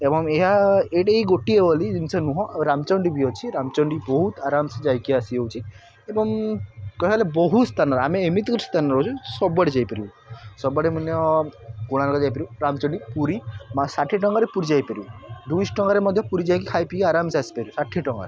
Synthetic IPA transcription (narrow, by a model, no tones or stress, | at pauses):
ebɔŋeɦaeʈeeiɡoʈiebɔlid͡ʒinsɔnũɦɔ̃ɾamt͡ʃɔɳɖibiɔt͡ʃʰiɾamt͡ʃɔɳɖibɔɦut̪aɾamsed͡ʒajkiasiɦewt͡ʃʰi | ebɔŋkɔalebɔɦust̪ʰanɔɾameːmit̪kɔi̥st̪ʰanɔɾɔwt͡ʃʰusɔbːɔɽid͡ʒajpeɾib | sɔbaɽemanjɔkuɽ̃alɔkɔd͡ʒajpeɾiuɾamt͡ʃɔɳɖipuɾimasaʈʰiʈɔŋɡaɾepuɾid͡ʒajpeɾiud̪ujsʈɔŋɡaɾemɔd̪ʱjɔpuɾid͡ʒajkikʰajpikiaɾamsasi̥peɾisaʈʰiʈɔŋɡaɾe